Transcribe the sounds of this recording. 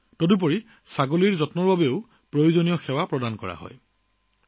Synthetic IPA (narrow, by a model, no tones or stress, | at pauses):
todup̬oɹi | saɡoliɹzɔtmɔɹbabeʊ | pɹojuzonijɔxɛwapɹɔdankɔ̰ɹa̰ɦɔ̰j